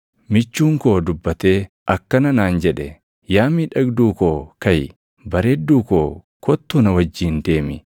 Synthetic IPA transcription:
mɪt͡ʃːuːŋko̞ːd̪ʊbːɐt̪e̞ː | ʔɐkːɐnɐnaːnd͡ʒɛᶑɛ | jaːmiːᶑɐɡd̪uːkoːkɐj | bɐɾeːd̪ːuːkoː | kʰɔt̪ːunɐwɐd͡ʒːiːnd̪e̞ːmɪ

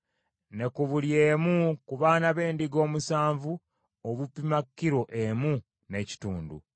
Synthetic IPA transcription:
ne̞kuβuljeːmukuβaːnaβe̞ːndiɡo̞ːmusaːɱvu | oβupimakːiɾo̞ʔemu | ne̞ci̥tuːndṵ

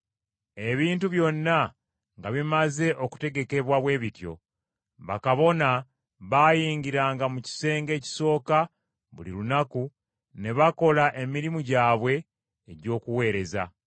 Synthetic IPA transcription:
e̞βiːntuβjo̞nːa | ŋɡaβimaze̞ʔo̞ku̥te̞ɡe̞ke̞βwaβwe̞ːβitjo̞̰ | βa̰kaβo̞na | βaːjiːŋɟiɾaːŋɡamuci̥se̞ːŋɡe̞ːci̥so̞ːka | βṵlḭlunaku | ne̞βako̞laʔe̞miɾimuɟaːβwe̞ː | ɟo̞ːkuwe̞ːɾe̞za̰

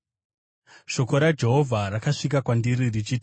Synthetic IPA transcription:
ʃo̞ko̞ɾad͡ʒe̞ɦo̞vʱaɾakaʂik̬akwandiɾirit͡ʃit

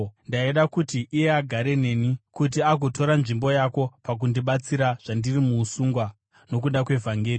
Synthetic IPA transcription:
ndaiɗakutiʔːje̞aɡʱaɾe̞ne̞ːnikut̬iaɡʱo̞to̞ɾanʐimbo̞jako̞pak̬undiɓat͡siɾaʐ̥andirimuːsuːŋɡwa | no̞k̬undakwe̞vʱaŋɡeːri

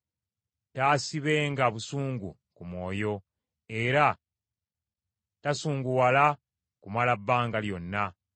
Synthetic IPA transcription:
taːsiβe̞ːŋɡaβusuːŋɡṵ | kumwo̞ːjo̞ | e̞ɾa | tasuːŋɡuwala | kumalabːaːŋɡaljo̞nːa

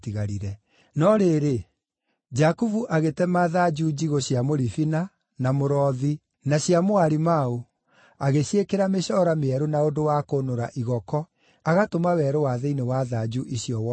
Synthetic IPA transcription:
tiɣaɾiɾɛ | nɔɾeɾe | d͡ʒakuvuʔaɣetɛmaðad͡ʒud͡ʑiɣoɕjamoɾifina | namoɾɔði | naɕjamoaɾimao | aɣeɕekeɾameɕɔɾameɛɾonaodowakonoɾaʔiɣɔkɔ | aɣatomawɛɾowaðɛinewaðad͡ʑuʔiɕjɔwɔ

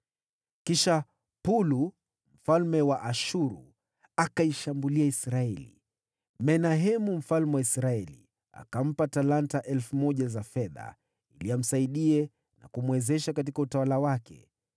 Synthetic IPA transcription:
kiʃa | pulu | m̩falmɛwaʔaʃuɾu | akaiʃambuliaisɾaɛlḭ | mɛnaɦɛmum̩falmɛwaisɾaɛli | a̰kam̩patalantaʔɛlfumɔʄazafɛða̰ | iliam̩saiɗiɛ | na̰kumwɛzɛʃakatikautawalawakɛ̰

